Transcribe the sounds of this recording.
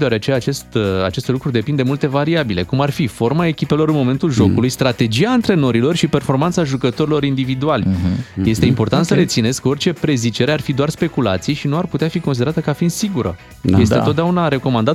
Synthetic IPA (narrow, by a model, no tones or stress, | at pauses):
d̪eoaɾeat͡ʃe̞jaːt͡ʃe̞st̪a̰t͡ʃe̞st̪lukɾud̪e̞pind̪e̞mult̪e̞vaɾiabile̞kumarfifo̞rmae̞kʲipe̞lo̞ɾɨnmo̞me̞nt̪ulʒo̞kulujst̪ɾat̪e̞d͡ʒiaɨnt̪ɾe̞no̞ɾilo̞rʃipe̞rfo̞rmant̪saʒukət̪o̞ɾilo̞ɾind̪ivid̪ualʲje̞st̪eimpo̞rt̪ant̪səɾe̞t̪sine̞sko̞rt͡ʃe̞pɾe̞zit͡ʃe̞ɾearfid̪oarspe̞kulat̪sijeʃinuarput̪eafikosid̪eɾat̪əkafind̪siɡuɾə̰ | je̞st̪et̪ot̪d̪eaunaɾe̞ko̞mand̪at̪